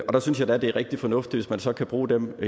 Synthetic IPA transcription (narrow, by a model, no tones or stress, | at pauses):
ɒ̽d̥ɑsynsjɑ̈ɪd̥æɐd̥e̝æɐʁɛɡ̥̚d̥ifɒ̽nɔ̽fd̥iʋe̝smænsɒ̽kʰæb̥ʁuːd̥em